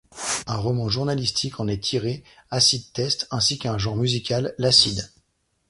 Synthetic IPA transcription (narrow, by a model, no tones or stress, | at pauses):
ɛ̃ʁɔmɑ̃ʒuʁnalist̪ʰikʰɑ̃nɛt̪ʰiʁeasid̪̚t̪ɛst̪ɛ̃sikɛ̃ʒɑ̃ʁmyzikʲalːasid̪